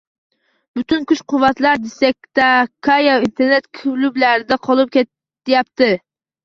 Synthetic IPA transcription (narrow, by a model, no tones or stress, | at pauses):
b̥yt̪ynkʲʰyt͡ʃqʊwɑt̪lˠɑɾd̪esɛk̚ʲt̪ɛkʰɑjɑint̪ʰeɾnɛt̪kʲʰylyblæɾɪd̪ɛqʰɑlˠup̚kʲɛ | jɑp̚t̪ʰɪ